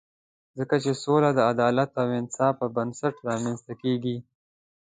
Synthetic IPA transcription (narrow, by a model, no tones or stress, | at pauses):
zəkat͡ʃesolad̪əad̪ɑlat̪awɪnɪ̥sɑfəbənsaʈɾɑmanst̪akeɡi